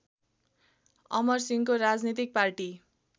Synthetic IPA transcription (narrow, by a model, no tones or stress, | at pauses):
ʌ̰mʌrsiŋkoɾad͡znit̪ik̚parʈi